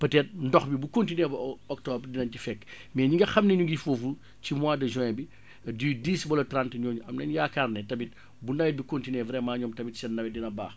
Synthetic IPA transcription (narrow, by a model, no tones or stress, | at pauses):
pɐtɛːt̚ndɔxbibukontineːbɐɔk̚tɔbrdinɐɲcifɛkː | mɛːɲiŋɡɐxɐmneɲuɡifofu | cimwaːdɐʒɛ̃bi | didiːsbɔlɐtɾantɲoːɲuʔɐmnɐɲjaːkarnɛtɐmit̚ | bunɐwɛt̚bikontinevɾɛmaːɲɔːmtɐmitsɛnnɐwɛdinɐba̰ːx